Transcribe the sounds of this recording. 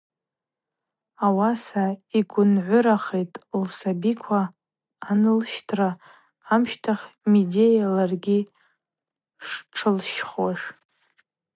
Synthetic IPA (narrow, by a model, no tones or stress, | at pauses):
awasaiɡʷʊnʕʷʊɾaχejtʼlsabikʷʰaː | nɨlʃtʰra | amʃtʰaχʲmide̞jalarɡʲi | ʂʈ͡ʂʰɨlʃχwaʂ